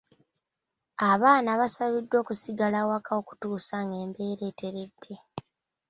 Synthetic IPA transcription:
aβaːnaβasaβidːwo̞ːkusiɡalawakʰao̞ku̥tuːsaŋɡe̞ːmbe̞ːɾe̞ːte̞ɾe̞dːe

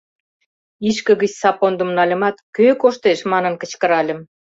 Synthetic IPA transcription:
iʃkə̆ɣət͡ɕsɑpond̪ə̆mnɑlʲə̆mɑt̪køkoʃt̪eʃmɑnənkə̆t͡ɕkə̆ɾɑlʲə̆m

